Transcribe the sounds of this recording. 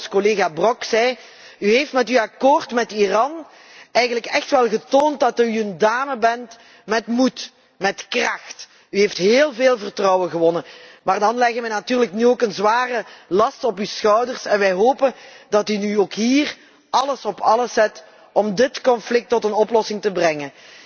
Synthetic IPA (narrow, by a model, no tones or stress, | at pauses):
skoleːɣaːbrɔksɛj | yɦeftmɛtyakoːrtmɛtirɑn | ɛjɣənləkɛxtʋɛlˠɣətoːntdɑtyəndaːməbɛnt | mɛtmut | mɛtkrɑxt | yɦeftɦeːlˠveːlˠvərtrɔwənɣəʋɔnənmaːrdɑnlɛɣənʋɛnatyːrləknyoːkənzʋaːrəlɑstɔpysxœwdərsɛnʋɛjɦoːpəndɑtynyoːkɦiːr | ʔɑləsɔpɑləsɛt | ʔɔmdɪtkɔnflɪk̚tːɔtənɔplɔsɪŋtəbrɛŋən